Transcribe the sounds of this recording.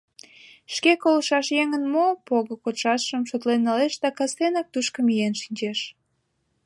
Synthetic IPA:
ʃkekoləʃɑʃjeŋənmopoɣokot̪ʃɑt̪ʃəmʃot̪lenːɑleʃd̪ɑkɑst̪enɑk̚t̪uʃkəmijenʃinʲt͡ɕeʃ

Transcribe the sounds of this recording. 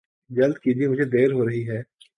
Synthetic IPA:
d͡ʒɐld̪kid͡ʒiemʊd͡ʒʱed̪eːɾɦoɾɐɦiɦɛː

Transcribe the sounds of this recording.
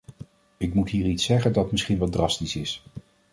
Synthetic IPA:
ɪkmutɦiːritsɛχəndɑtmɪsχinʋɑdrɑstisɪs

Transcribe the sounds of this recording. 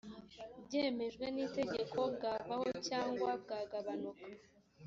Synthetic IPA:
bɟeːme̞ʒɡwe̞niːte̞ɟe̞kʰo̞bɡaːvaho̞caːŋɡwab̚ɡaːɡaβanukḁ

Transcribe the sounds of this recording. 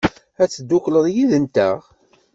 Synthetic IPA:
æt͡sːəd̪ːukləðˤjiðənt̪æʁ

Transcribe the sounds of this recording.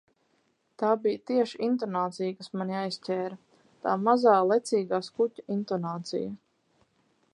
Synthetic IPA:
t̪aːbijt̪iɛʃiint̪ɔnaːt̪sijkasmanjaːjscʲɛːɾɐ | t̪aːmazaːlˠɛt̪siːɡaːskutʲḁint̪ɔnaːt̪sḭjɐ

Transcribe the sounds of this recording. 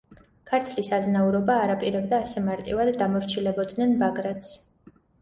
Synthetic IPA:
kʰaɾt̪ʰlisaznauɾɔbaːɾapʼiɾɛb̚d̪aːsɛmaɾt̪ʼivad̪ːamɔɾt͡ʃʰilɛbɔd̪nɛnbaɡɾat̪s

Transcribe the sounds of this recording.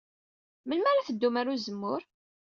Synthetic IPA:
məlmæɾaθəd̪ːumaɾuzəmːʊɾ

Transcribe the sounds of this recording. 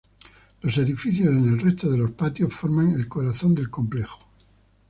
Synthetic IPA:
lo̞se̞ðifiθjo̞se̞ne̞lre̞st̪oðe̞lo̞spat̪jo̞sfo̞ɾmãŋe̞lko̞ɾaθo̞nd̪elkõ̞mple̞xo̥

